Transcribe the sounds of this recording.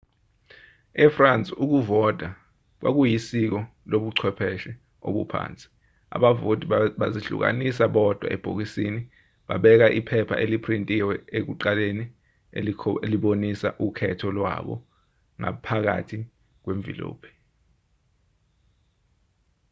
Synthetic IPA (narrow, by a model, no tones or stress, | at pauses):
ɛfrant͡sʼiuk̬uvɔd̥ʱa | k̬wʔa̰k̬ujisik̬ɔ | loɓuǀʰwɛpʰɛʃɛ | o̰ɓṵpʰa̰ːnt͡sʼi̥ | a̰ɓavodʱʼiɓaziɬṵk̬a̰nis̬aɓɔd̥ʱwa̰ʔɛb̥ʱok̬isini | ɓaɓɛk̬aʔipʰɛpʰa̰ʔelipʰrintʼiwɛek̬uǃaleni | elʰeliɓonisaʔukʰɛtʰɔlwa̰ɓɔ̰ | ŋa̰pʰak̬a̰tʰi | k̬weɱvʱḭlo̰ːpʰɛ̥